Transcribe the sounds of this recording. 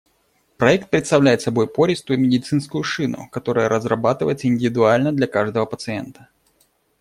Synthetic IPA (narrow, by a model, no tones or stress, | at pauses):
pɾɐɛk̚t̪̚pɾʲɪt̪st̪ɐvlʲæjɪt̪sɐbo̞jpo̞ɾʲɪst̪ʊjʊmʲɪdʲɪt̪sɨnskʊjʊʂɨnʊ̰kɐt̪o̞ɾəjəɾəzrɐbat̪ɨvə̰jɪt̪səɪnʲdʲɪvʲɪd̪ʊalʲnəd̪lʲɐkaʐd̪əvəpət̪sɨɛ̰nt̪ə̥